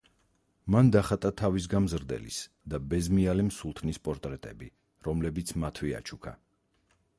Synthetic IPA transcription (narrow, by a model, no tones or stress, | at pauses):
mand̪aχat̪ʼat̪ʰavis̬ɡamzɾd̪ɛ̰lḭs | d̪abɛzmialimsulˠt̪ʰnispʼɔɾt̪ʼɾɛt̪ʼɛbi | ɾɔmlɛbit̪sʰmat̪ʰwia̰t͡ʃʰukʰa̰